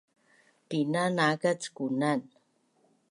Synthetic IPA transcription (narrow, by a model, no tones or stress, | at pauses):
pinanakat͡skunan